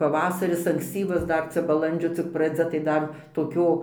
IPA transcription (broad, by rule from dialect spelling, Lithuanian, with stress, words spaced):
pɐˈʋɑːsɐrʲɪs ɐŋksʲˈt͡sʲiːʋɐs ˈdɐr ˈt͡sʲɛ bɐˈlˠɐnʲd͡ʒʲoː t͡sʲɪk prɐˈd͡zʲɛ tɐɪ ˈdɐr toːˈkʲoː